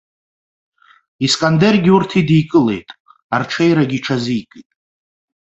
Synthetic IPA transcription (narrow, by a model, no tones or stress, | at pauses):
iskʼanderɡʲɪurtʰidijkʼɨle̞̰jtʼ | arʈ͡ʂʰejɾaɡʲiʈ͡ʂʰazijkʼitʼ